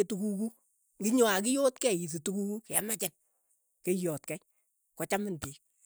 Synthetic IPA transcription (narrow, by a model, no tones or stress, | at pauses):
etukuku | ŋɡɪɲɔak̬ɪjotkɛis̬itukukukɛamat͡ʃɛt̚ | kejɔtkɛj | kɔt͡ʃamɪntik̚